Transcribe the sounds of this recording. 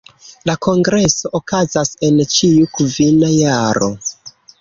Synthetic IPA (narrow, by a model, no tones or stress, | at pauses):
lako̞ŋɡɾe̞so̞ʔokazase̞nt͡ʃiukvinajaaɾo̞̰